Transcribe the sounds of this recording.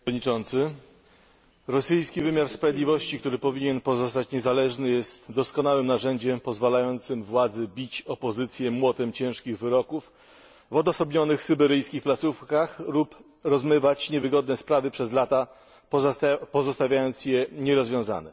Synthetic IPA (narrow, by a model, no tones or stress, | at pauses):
d̪ɲit͡ʂɔnt̪sɘ | ɾɔsɘjskʲivɘmʲjaɾspɾavʲed̪lʲivɔɕt͡ɕik̚t̪uɾɘpɔvʲiɲɛnpɔzɔst̪at͡ɕɲɛzalɛʐnɘjɛst̪d̪ɔskɔnawɘmnaʐɛɲd͡ʑɛmpɔzvalajɔnt̪sɘmvwad̪zɛbʲit͡ɕɔpɔzɘt̪sʲjɛmwɔt̪ɛmt͡ɕɛ̃w̃ʂkʲiɣvɘɾɔkuf | vɔd̪ɔsɔbɲɔnɘxsɘbɛɾɘjskʲixplat̪sufkaxlup | ɾɔzmɘvat͡ɕɲɛvɘɡɔd̪nɛspɾavɘpʂɛzlat̪a | pɔzɔst̪avʲjajɔnt̪sjɛɲɛɾɔzvʲjɔ̃za̰nɛ̰